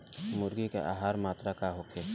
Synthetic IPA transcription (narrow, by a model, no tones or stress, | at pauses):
mʊɾɡikḛʔa̰ːɦaːɾmaːt̪ɾakaɦokʰeː